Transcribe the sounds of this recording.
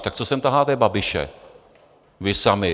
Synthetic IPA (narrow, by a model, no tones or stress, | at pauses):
t̪ak̚t͡sosɛmt̪aɦlaːt̪ɛbabɪʃɛ̰ | vɪsamɪ